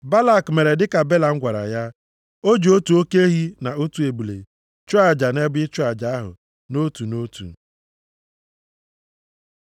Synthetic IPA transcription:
ba˦la˦˨kme˨ɾe˨dɪ˦ka˨be˦la˨ŋ̩˦ɡʷa˨ɾa̰˨ja˦ | o˦d͡ʒo˦tu˨o˦ke˦e˦ɦi˦na˨o˦tu˨˦e˨bu˨lḛ˨ | t͡ʃu˦a˨d͡ʒa˨ne˦bʊ˦ɪ˦t͡ʃʊ˦a˨d͡ʒa˨˦a˦ɦʊ̰˨ | no˦tu˨no˦tṵ˨

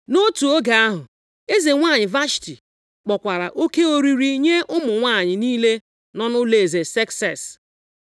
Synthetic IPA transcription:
no˦tu˨o˦ɡa˨a˦ɦʊ˨ | e˦ze˨ŋʷa˦˨ɲɪ˨va˦ʃti˨ | k͡pɔ˨kʷa˨ɾa̰˨ʔo˦ke˦o˦ɾi˦ɾi˦ɲe˦ʔʊ˦mʊ˨ŋʷa˦˨ɲɪ˨niː˦le˦ | nɔ˦nʊ˦le˨e˨ze˨sɛ˦ksɛ˦˨s

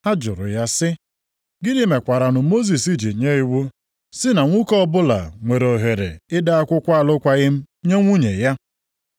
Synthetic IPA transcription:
a˦d͡ʒʊ̰˨ɾʊ̰˨ja˦sɪ˦ | ɡɪ˦dɪ˦me˨kʷa˨ɾa˨nʊ˨˦mo˦z̬i˨si˦d͡ʒi˨ɲe˦i˦wu˦ | sɪ˦na˨ŋʷu˦kɔ˦bʊ˦la̰˨ŋʷe˨ɾo˨ɦe˨ɾḛ˨ɪ˦da˦a˦kʷʊ˦kʷa˦a˦˨lʊ˦kʷa˦ɣɪ˦m̩˦ | ɲe˦ŋʷu˦ɲḛ˨ja˦

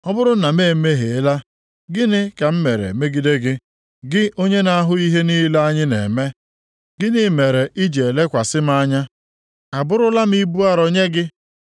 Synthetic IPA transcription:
ɔ˦bʊ˦ɾʊ˦na˨me˦˨˦me˦ɦe˨e˦la˦ | ɡɪ˦nɪ˦ka˨m̩˦me˨ɾḛ˨me˦ɡi˨de˦ɡɪ˦ | ɡɪ˦ʔo˦ɲe˦na˨a˦ɦʊ˦i˦ɦe˦ni˦la˦a˦ɲɪ˦nḛ˨me˦ | ɡɪ˦nɪ˦me˨ɾe˨ʔi˦d͡ʒe˨le˦kʷa˨sɪ˦m̩˦a˦ɲa˦ | a˨bʊ˦ɾʊ˦la˦m̩˦i˦bu˦a˦ɾo˦ɲe˦ɡɪ˦

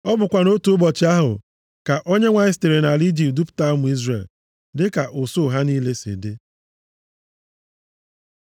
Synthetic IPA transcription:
ɔ˦bʊ˨kʷa˨no˦tu˨ʊ˦bɔ˨t͡ʃɪ˦a˦ɦʊ̰˨ | ka˨ʔo˦ɲe˦ŋʷa˦ɪ˦ste˨ɾe˨na˨li˦d͡ʒi˨p̚du˦pʊ̥˨ta˦mʊ˨i˦zrḛ˨l | dɪ˦ka˨ʔʊ˨so˦˨ɦa˦niː˦le˦sḛ˨dɪ˦

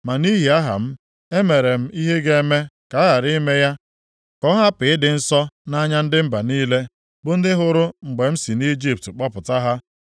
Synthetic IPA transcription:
ma˨ni˦ɦi˨a˦ɦa̰˨m̩˦ | e˦me˨ɾe˨m̩˦i˦ɦe˦ɡe˦me˦ka˨˦a˦ɣa˨ɾi˦me˦ja˦ | kɔ˦ɦa˦pɪ˨ɪ˦dɪ˨n̩˦sɔ˦na˦ɲa˦n̩˦dɪ˦m̩˦ba˨niː˦le˦ | bʊ˦n̩˦dɪ˦ɦʊ˦ɾʊ˦ŋ͡m̩˨ɡ͡be˨m̩˦si˨ni˦d͡ʒi˦p̚tk͡pɔ˦pʊ˨ta˦ɦa˦

